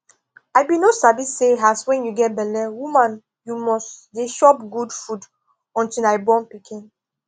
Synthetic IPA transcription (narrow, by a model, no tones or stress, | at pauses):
ajbinosabiseɦaswɛ̃njuɡɛt̚bɛlɛwumãn | jumɔsdeʃɔpɡudfud | ɔ̃ntilaɪbɔ̃npikʰĩn